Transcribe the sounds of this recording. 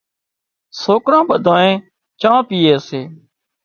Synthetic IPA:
soːkɾãːɓəd̪ʱãːẽː | t͡ʃãːpiːeːəseː

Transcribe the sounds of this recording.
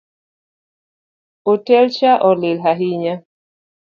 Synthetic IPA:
otɛlt͡ʃaʔɔlɪlɦaɦiɲa

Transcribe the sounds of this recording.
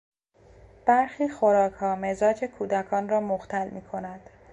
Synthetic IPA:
b̥æɾxiːxoɾɒːkʰhɒːmezɒːd͡ʒe̞kʰuːd̪ækʰɒːnrɒːmoxt̪ʰælmiːkʰo̞næd̪̥

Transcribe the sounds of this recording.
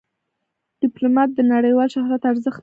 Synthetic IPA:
ɖ̥ɪplomɑt̪̚d̪ənaɽəjwɑlʃaɦɾat̪aɾzəxt̪

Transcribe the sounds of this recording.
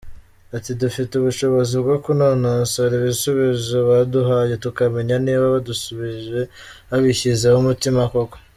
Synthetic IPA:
atidufituβuʃo̞βo̞zibɡokunonansoɾiβisuβizoβaduɦaje̞tukame̞ɲaniːβaβadusuβiʒe̞βaβiçizehumutimakoko̥

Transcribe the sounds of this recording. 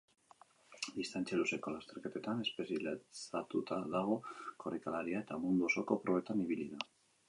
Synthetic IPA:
d̪ist̪ant͡ʃjelusekolast̪eɾket̪et̪ane̞spesilsat̪ut̪aðaɣ̞okoɾekalaɾiaet̪amund̪uosokopɾoβet̪aniβiliða

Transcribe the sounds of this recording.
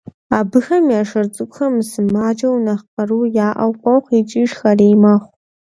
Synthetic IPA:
aːbɨxɐmjaːʂɐrt͡sʼɨkʷʼʊxɐmsɨmaːd͡ʒɐwnɐχqɐruːjaːʔɐ̰wqʷɐwχʷit͡ʃʼiʂxɐreːjmɐχʷ

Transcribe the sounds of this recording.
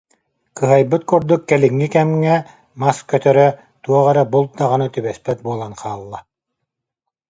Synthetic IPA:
kɯɦajbɯt̪̚kuɾd̪ukːɛliŋːikɛmŋɛ | maskœt̪œɾœ | t̪uɔʁɛɾɛbulˠd̪aʁɯnɯt̪ybɛspɛt̪̚buɔlˠanqaːlˠːa

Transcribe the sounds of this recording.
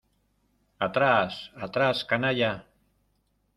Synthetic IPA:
at̪ɾasat̪ɾaskanaʎa

